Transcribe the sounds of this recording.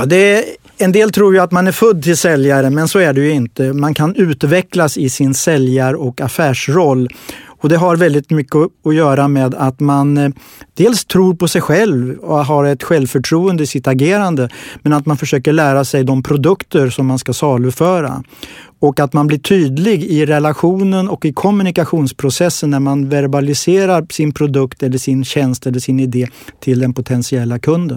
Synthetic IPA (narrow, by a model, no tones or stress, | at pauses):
d̪ɛ | ɛnd̪eːlt̪ʰɾuːɾjɵat̪manæɾfɵd̪ːt̪ɪlsɛljaɾəmɛnsɔæɖɛjɵɪnt̪əmankʰanʉ̟ːt̪vɛklasɪsɪnsɛljaɾɔkafæːʂɾɔlːɔd̪ɛɦaɾvɛld̪ɪt̪mʏkːəɔɔjœːɾameːd̪at̪man | d̪̥eːlst̪ʰɾuːɾpɔsɛjɧɛlvɔ̰ɦaɾɛt̪ɧɛlvfœʈʰɾuːənd̪əɪsɪt̪aɡeːɾand̪əmɛnat̪manfœʂøːkəɭæːɾasɛjd̪ɔmpʰɾʊd̪ɵkt̪əɾsɔmːanskasɑːlʉfœːɾa̰ | ɔkat̪manblɪʈʰyːd̪lɪɡɪɾɛlaɧuːnənɔkɪkʰɔmʉnɪkaɧuːnspʰɾʊsɛsːənːæɾmanvæɾbalɪseːɾaɾsɪnpʰɾʊd̪ɵkt̪ɛlːəʂɪnɕɛnst̪ɛlːəʂɪnɪd̪eːt̪ʰɪld̪ɛnpʰʊt̪ʰɛnsɪɛlːakʰɵnd̪ə̰n